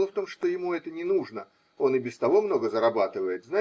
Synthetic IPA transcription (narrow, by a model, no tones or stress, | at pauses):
lˠəft̪o̞mʂt̪o̞jɪmuɛt̪ənʲɪnuʐnə | o̞nɨbʲɪst̪ɐvo̞mno̞ɡəzəɾɐbat̪ɨvəjɪt̪zna